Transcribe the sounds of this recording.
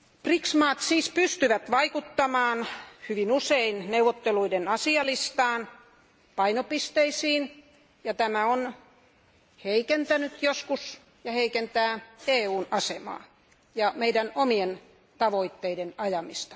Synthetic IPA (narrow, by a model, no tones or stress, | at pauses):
priksmɑːt̪siːspyst̪yʋæt̪ʋɑikut̪ːɑmɑːnhyʋinuseinneuwʋːˑot̪ːeluidenɑsiɑlist̪ɑːn | pɑinopist̪eisiːn | jɑt̪æmæon | heikent̪ænyt̪joskus | jɑheikent̪æːeːuːnɑsemɑ̰ː | jɑmeidænomien | t̪ɑʋoit̪ːeidenɑjɑmist̪ɑ̥